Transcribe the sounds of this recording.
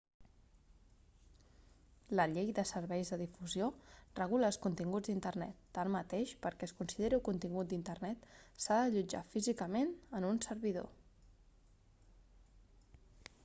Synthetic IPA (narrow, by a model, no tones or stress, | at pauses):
ləʎejðəsəɾβɛjzðəðifuziorəɣ̞uləːlˠskunt̪iŋɡud͡zd̪int̪ərnɛ̰t̪ːamːət̪eʃpəɾkɛəskunsiðeɾiulkunt̪iŋɡut̪̚d̪int̪ərnɛt̪saðəʎud͡ʒa̰fizikəmenənunsəɾβiðo̰